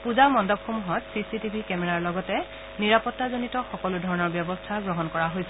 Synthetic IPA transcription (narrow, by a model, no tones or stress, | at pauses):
puzawmɔndɔpxomuɦɔtsisitibʱikɛmɛɹaɹlɔɡɔtɛ | niɹapɔtːazonitɔxɔkɔludʱɔɹɔnɔɹbjɔbɔstʰaɡɹɔɦɔnkɔɹaɦojsɛ